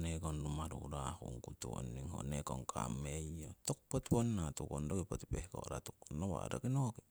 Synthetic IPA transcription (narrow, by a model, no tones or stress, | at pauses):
nekonɾumaɾuɾahṵŋkut̪uo̰nːiŋho̰nekoŋkʰa̰mejot̪ok̚pot̪iponnat̪ukondokipot̪i̥pehko̰ɾat̪uk̚onowa̰ɾa̰kinoki